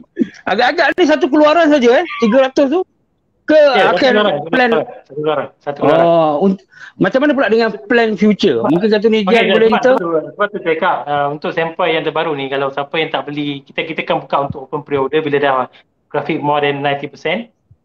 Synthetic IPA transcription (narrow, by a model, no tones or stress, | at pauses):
ʔaɡaʔːɡaʔnĩs̬at̪̬uk̬əluaɾans̬ad͡ʒaɛt̪iɡəɾat̪ʊst̪u | kəakanaɾaplɛnsat̪ukluaɾansat̪ukəlaɔaun | mat͡ʃamːanap̬ulaʔdəŋãnplɛnfjut͡ʃəmũŋk̬ɪnsat̪̬unĩd͡ʒianbolɛhit̪əut̪uat̪ut̪ekaʔ̚əunt̪ʊk̚sɛmpajaŋt̪əbaɾunĩkalawsapajaŋt̪aʔbəlikit̪akit̪əkanbukaʔunt̪ʊkopənpɾiodəbiladah | ɡ̥ɾafɪk̚mɔdɛnːãjnt̪ipəsɛn